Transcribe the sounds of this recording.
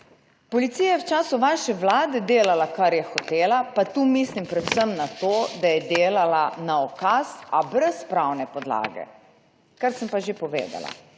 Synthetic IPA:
pɔlit̪siːjajɛwt͡ʃaːsuʋaʃɛʋlaːd̪ɛd̪eːlalakaɾjɛxɔt̪eːlapat̪uːmislimpɾɛwsəmnat̪oːd̪ajɛd̪eːlalanaɔkasabɾɛspɾawnɛpɔd̪la̰ːɡɛ̰ | kaɾsəmpaʒepɔʋḛːd̪a̰la̰

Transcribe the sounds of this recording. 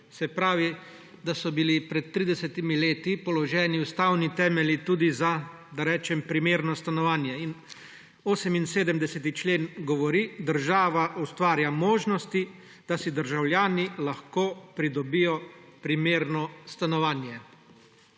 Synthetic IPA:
sɛpɾaːʋi | d̪asɔbilipɾɛt̪̚t̪ːɾiːd̪ɛsɛt̪imileːt̪ipɔlɔʒɛːniust̪awnit̪ɛːmɛlit̪uːd̪iza | d̪aɾɛːt͡ʃɛmpɾimeːɾnɔst̪anɔʋaːnjɛin | oːsɛminseːd̪əmd̪ɛsɛt̪it͡ʃleːnɡɔʋɔɾid̪əɾʒaːʋaʔust̪ʋaːɾjamoːʒnɔst̪i | d̪̥asid̪əɾʒawlʲjaːnilaxkoːpɾid̪ɔbijɔpɾimeːɾnɔst̪anɔʋaːnjɛ

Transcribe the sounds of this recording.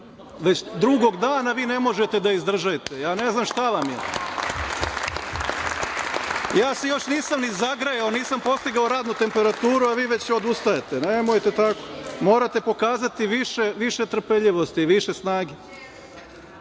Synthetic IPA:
ʋet͡ɕd̪ɾuɡo̞ɡd̪aːnaʋiːne̞mo̞ʒet̪ed̪aizd̪r̩ʒajit̪ejaːneznamʃt̪aʋamje | jaːsejo̞ʃniːsamnizaɡɾajaoniːsampo̞st̪iɡaoɾaːd̪nut̪e̞mpeɾat̪uːɾuaʋiːʋe̞t͡ɕod̪ust̪ajet̪enemojt̪et̪ako̥moːɾat̪e̞po̞kaːzat̪iʋiʃeʋiʃet̪ɾr̩peʎiʋo̞st̪iʋiʃesnaːɡe

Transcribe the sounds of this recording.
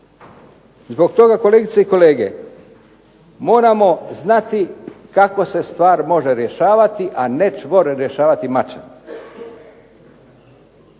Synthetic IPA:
zbo̞ɡt̪o̞ɡako̞leːɡit̪seiko̞le̞ːɡe̞̰ | mo̞ːɾamo̞znat̪ikako̞se̞st̪ʋaːɾmo̞ʒe̞ɾje̞ʃaːʋat̪iʔane̞t͡ʃʋoɾeɾje̞ʃaːʋat̪imat͡ʃen

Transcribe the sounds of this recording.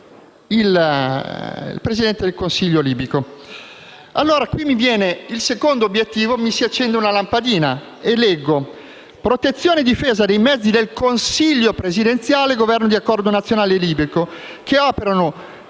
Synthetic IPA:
il | ḭlpɾezid̪ɛnt̪ed̪elkonsiʎːoliːbiko | alːoːɾakwimːivjɛːneilsekond̪objet̪ːiːvomisiat͡ʃːɛnd̪eunalampad̪iːna | elɛɡːo | pɾot̪et̪sːjoːned̪ːifeːzad̪ejmɛd̪zːid̪elkonsiʎːopɾezid̪ent̪sjaːleɡovɛrnod̪iakːɔrd̪onat̪sːjonaːleliːbɾiko | kʰeɔːpeɾano

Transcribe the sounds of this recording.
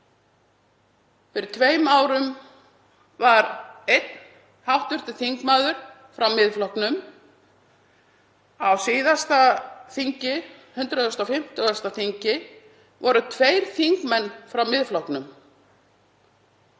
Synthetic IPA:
fɪɾɪɾ̥t̪ʰveːjmawɾʏm | vaɾejt̪n | hawht̪vʏr̥t̪ɪ̥θiŋkmaːðʏɾ̥ | fɾawmɪðflɔhknʏm | awsɪːðast̪aθiɲcɪ | hʏnt̪ɾʏðɔst̪awfɪm̥t̪ʏast̪aθiɲcɪ | vɔɾʏt̪ʰveːjɾ̥θiŋkmɛnːfɾawmɪðflɔhknʏm

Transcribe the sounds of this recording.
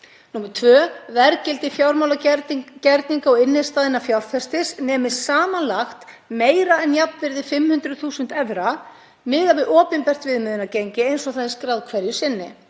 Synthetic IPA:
nuːmɛɾt̪ʰvœːvɛɾcɪlt̪ɪfjawɾmawlacɛɾt̪niŋkaɔɪnːɪðst̪aːðɪnːafjawɾ̥θɛst̪ɪsnɛːmɪ̥saːmanlaxt̪ | meːjɾaɛnjapnvɪɾðɪfɪmːhʏnt̪ɾʏθuːsʏnt̪ɛvɾa | mɪːɣavɪɔːpɪnpɛr̥t̪vɪðmɪðɪnacejɲcɪejnsɔθaðɪskɾawðkʰvɛɾjʏsɪnːɪ̰

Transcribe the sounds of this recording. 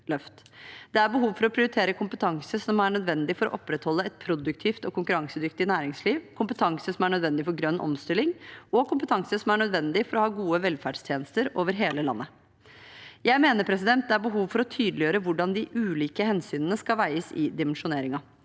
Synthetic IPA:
lœft̪ | d̪ɛæɾbəɦuːʋfɔɾɔpʰɾɪʊɾɪt̪ʰeːɾəkʊmpət̪ʰɑŋsəsɔmæɳœd̪ʋɛnd̪ɪfɔɾɔ̰ʔɔpːɾɛt̪hɔlːəɛt̪̚pʰɾʊd̪ʉkt̪ʰiːft̪ɔkʊŋkʉɾɑŋsəd̪ʏkt̪ɪnæːɾɪŋsliːʋkʰʊmpət̪ʰɑŋsəsɔmæɳœd̪ʋɛnd̪ɪfɔɾɡɾœnːʔɔ̰mst̪ɪlɪŋɔkʰʊmpə̥t̪ʰɑŋsəsɔmæɳœd̪ʋɛnd̪ɪfɔɾɔhɑːɡuːəʋɛlfæɖst̪ʰjeːnəst̪əɾoːʋəɾɦeːləlɑ̰nːə | jæɪmeːnəɾpʰɾɛs̬ɪd̪ɛnt̪̚d̪ɛæɾbəɦuːʋfɔɾɔt̪ʰyːd̪lɪjøːɾəʋʊɖɑnd̪ɪʔʉːliːkəhɛnsyːnənəskɑlʋæɪəsɪd̪ɪmɛnʂʊneːɾɪŋɑ

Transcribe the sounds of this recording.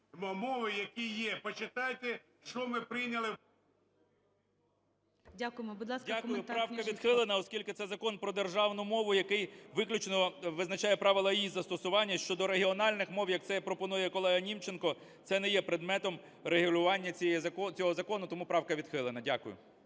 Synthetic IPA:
mɔmɔʋɪjɐkʲijɛpɔt͡ʃɪt̪ɑjt̪ɛ | ʃt͡ʃɔmɪpɾɪnʲɐlˠɪ | dʲakʊjmɔbud̪lˠɑsdʲakʊjʊpɾɑwkɐʋʲid̪xɪlˠenɐɔskʲilʲkɪt̪sɛzɐkɔnpɾɔd̪erʒɑwnʊmɔʋʊjɐkɪjʋɪklʲʊt͡ʃnɔʋɪznɐt͡ʃɑjɛpɾɑʋɪlˠɐizɐst̪ɔsʊʋɑnʲːɐʃt͡ʃɔd̪ɔɾeɦiɔnɑlʲnɪxmɔwjɐk̚t̪sɛpɾɔpɔnujɛkɔlˠɛɦɐnʲimt͡ʃenkɔ | t̪sɛnɛjɛpɾed̪mɛt̪ɔm | reɦʊlʲʊʋɑnʲːɐt͡sʲɛjɛɔt͡sʲɔɦɔzɐkɔnʊt̪ɔmupɾɑwkɐʋʲid̪̥xɪlˠenɐdʲakʊjʊ̰

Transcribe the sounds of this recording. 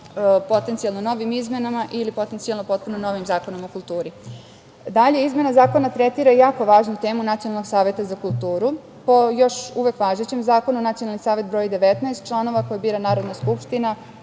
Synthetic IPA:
po̞t̪ent̪sijalˠnono̞ʋimizmenamaʔilipo̞t̪ent̪sijalˠnopo̞t̪̚punono̞ʋimzaːko̞nomokulˠt̪uːɾi | d̪aʎe̞izme̞nazaːko̞nat̪ɾet̪iɾajaːko̞ʋaːʒnut̪e̞ːmunat̪ionalno̞ɡsaːʋe̞t̪azakulˠt̪uːɾu | po̞jo̞ʃuʋe̞kʋaːʒet͡ɕemzaːko̞nunat̪sijonalnisaːʋe̞t̪bɾo̞ːjid̪e̞ʋet̪nɛest̪̚t͡ʃlˠano̞ʋakojabiːɾanaːɾo̞d̪naskupʃt̪ina

